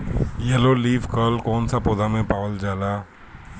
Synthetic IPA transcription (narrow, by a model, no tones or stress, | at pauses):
jɛloliːfkəːlkɔːnsapoːd̪amẽpaːʋəld͡ʒaːlaː